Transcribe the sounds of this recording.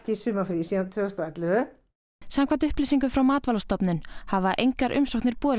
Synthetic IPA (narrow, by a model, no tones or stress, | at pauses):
cɪsʏːmafɾisiːðant̪ʰvʏːʏst̪ɔɛt̪lɪvʏ | samkʰant̪ʏhplɪsiŋkʏfɾawmaːt̪valɔst̪ɔpnʏnhavaʔejŋkaɾʔʏ̰msɔkt̪nɪɾpɔː